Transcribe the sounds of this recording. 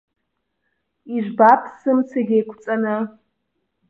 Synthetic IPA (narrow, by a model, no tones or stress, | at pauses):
iʒʷbapʰsɨmt͡sʰaɡʲejkʷʰt͡sʼanɨ